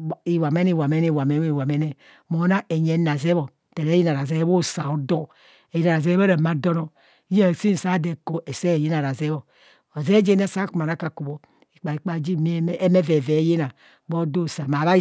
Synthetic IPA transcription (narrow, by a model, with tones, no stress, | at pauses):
i˨wa˨me˦ni˦˨wa˨me˦ne˦˨wa˨me˨˦e˦˨wa˨me˦ne˨ | mo˨˦na˦e˨ɲe˨˦na˨ze˦bo˨ | te˨ɾe˨˦ji˦na˨ɾa˨ze˦bo˦sa˨o˦do˦˨ | ji˦na˨ɾa˨ze˦ba˦ɾe˨ma˦do˦no˨˦ | je˦˨si˦n˨sa˦de˨ko˨˦ʔe˨se˦˨ji˦na˨ɾa˨ze˦βo˨ | o˨ze˦d͡ʒe˦ne˦sa˦ku˨ma˨na˨˦ka˨ku˨bo˨ | i˨k͡pa˨i˨k͡pa˨˦d͡ʒi˦mi˦me˦ve˨ve˨˦je˦na˨ | bo˦do˦˨sa˨ma˨βa˦